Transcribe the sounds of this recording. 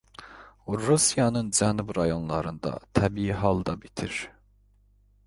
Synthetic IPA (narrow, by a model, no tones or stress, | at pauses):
uɾusijɑnɯnd͡ʒænubɾɑjonlˠɑɾɯnd̪ɑ̰t̪ʰæbiiɦɑlˠd̪ɑbit̪ʰiɾ̥